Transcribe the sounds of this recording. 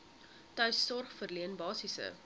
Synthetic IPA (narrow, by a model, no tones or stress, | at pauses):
tœɥsːɔrχfərliənbɑːsisə̰